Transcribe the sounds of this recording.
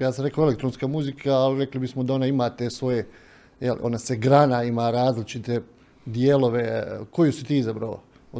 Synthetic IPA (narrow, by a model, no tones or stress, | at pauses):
jaːsamɾekoelekt̪ɾonskamuzikʰaːliɾe̞klibismod̪ao̞naimaːt̪eːsʋo̞je | jel̰ʔo̞̰naseɡɾanaimaɾaːzlit͡ʃit̪e̞ | d̪jeːlo̞ʋe̞ko̞jusit̪iːizabɾao̰